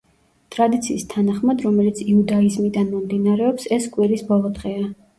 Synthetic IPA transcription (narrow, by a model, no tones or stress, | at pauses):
t̪ʼɾad̪it̪sʰiːst̪ʰanaχmad̪ɾɔmɛlit̪sʰiud̪aizmid̪anmɔmd̪inaɾɛɔpsɛskʼwiɾisbɔlˠɔd̪ʁɛa